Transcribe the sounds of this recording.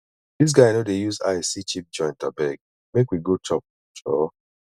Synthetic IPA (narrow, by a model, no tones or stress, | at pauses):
ðis̬ɡaɪnodejuza̰sit͡ʃip̚d͡ʒɔ̃ɪ̃ntabɛɡ̚ | mekwiɡotʰɔp̚ | t͡ʃʰɔ